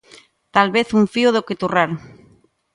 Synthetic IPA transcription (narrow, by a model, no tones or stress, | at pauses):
t̪alβeθuɱfioðoket̪uraɾ